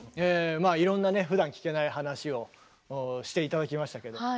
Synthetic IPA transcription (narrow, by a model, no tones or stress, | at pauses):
eːmaːiɾõ̞nːane̞ɸɯ̟d̪ãŋkʲi̥ke̞naiɦanaɕio̞ | ɕi̥t̪e̞it̪ad̪akʲimaɕi̥t̪ake̞d̪o